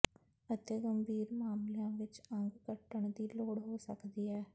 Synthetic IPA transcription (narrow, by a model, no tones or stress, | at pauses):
ət̪eːɡəmbʱiːɾmaːmljãːʋɪt͡ʃəŋɡɡəʈəɳd̪iːloːɽɦoːsə̰kd̪iːɦɛː